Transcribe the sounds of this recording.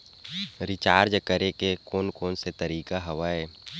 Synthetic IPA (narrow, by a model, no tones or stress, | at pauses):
ɾɪt͡ʃaːɾd͡ʒkəɾekekoːnkoːnset̪əɾiːkaɦɐʋaeː